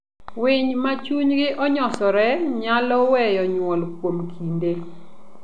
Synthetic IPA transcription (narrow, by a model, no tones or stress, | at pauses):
wɪɲmat͡ʃuɲɡɪʔɔɲɔsɔɾɛɲalɔwɛjɔɲwɔlkwomkʰinde